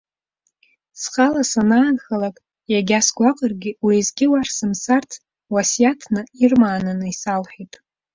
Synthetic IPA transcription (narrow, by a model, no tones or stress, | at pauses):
sχʼalasanaːnχalakʼ | jaɡʲasɡʷaqʼərɡʲɪwizɡʲɪwarsɨmsartʰ | wasjatʰnɨirmaːnɨnɨisalħʷᶣitʼ